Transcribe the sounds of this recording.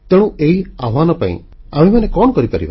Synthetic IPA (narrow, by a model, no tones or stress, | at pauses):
t̪eɽũeɦiaʋanɔpã̰ḭ̃ | amemanekɔɳ̃ɔkɔɾipaɾḭba